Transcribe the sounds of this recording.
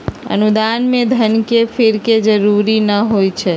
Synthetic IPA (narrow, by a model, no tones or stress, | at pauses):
ə̰nud̪anmed̪ʱənkepʰiɾked͡ʒəɾuɾinəɦojt͡ʃʰɛ